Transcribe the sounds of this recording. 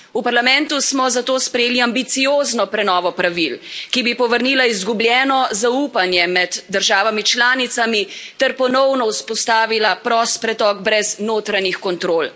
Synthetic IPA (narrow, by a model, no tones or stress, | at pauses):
upaɾlamɛ̃nt̪usmɔzat̪oːspɾɛjeːliambit̪sijoːznɔpɾɛnɔːʋɔpɾaʋilkibipɔʋəɾniːlaizɡubljɛːnɔzauːpanjɛmɛd̪ːəɾʒaːʋamit͡ʃlaːnit̪samit̪ɛɾpɔnɔwnɔuspɔst̪aːʋilapɾɔːst̪pɾɛt̪ɔɡbɾɛznoːt̪ɾanixkɔnt̪ɾoːl